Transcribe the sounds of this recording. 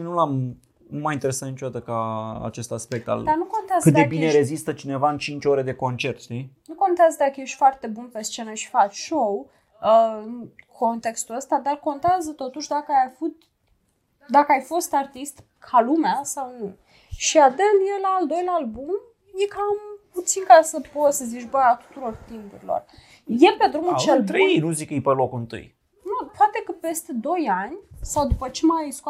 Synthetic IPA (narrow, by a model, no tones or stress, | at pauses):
nulam | numajint̪eɾe̞sat̪nit͡ʃod̪at̪əkaa̰t͡ʃe̞st̪aspe̞k̚t̪a̰ld̪arnuko̞nt̪eazkɨt̪d̪ebine̞ɾe̞zist̪ət͡ʃine̞vaɨnt͡ʃint͡ʃʲoɾe̞d̪e̞ko̞nt͡ʃe̞rt̪ʃt̪inuko̞nt̪eazəd̪akəje̞ʃt̪ʲfoart̪e̞bunpe̞st͡ʃe̞nəʃi̥fat͡ʃʃow | əɨnkʰo̞nt̪e̞kst̪uəst̪ad̪arko̞nt̪eazət̪o̞t̪uʃʲd̪akəajafut̪ | d̪akəajfo̞st̪art̪ist̪ | kʰalumeasawnu | ʃiad̪eljelaːld̪o̞jlɛalbum | je̞kamput̪sinkasəpot̪səzit͡ʃbəjat̪u̥t̪uɾo̞rt̪imbuɾilo̞̰r | jepe̞d̪ɾumult͡ʃelbt̪ɾeenuzikəijpelokuɨnt̪ɨ̰j | nupoat̪e̞kəpe̞st̪e̞d̪o̞janʲsawd̪upət͡ʃe̞majisku